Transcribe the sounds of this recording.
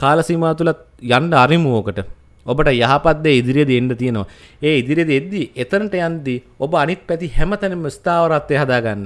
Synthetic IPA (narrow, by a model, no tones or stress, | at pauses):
kaːlɐsimaːt̪ulat̪̚ | janɖɐaɾimuoːkəʈə | obəʈəjaɦapat̪̚ːeːid̪iɾijed̪ienɖɐt̪ijenoʋa̰ | eːid̪iɾijed̪ied̪ːiʔet̪ɐnɐʈəjand̪i | obəanit̪̚pɛt̪ihɛmət̪ɛnimːəist̪aːʋɐɾat̪ːeːɦad̪aːɡanːɐ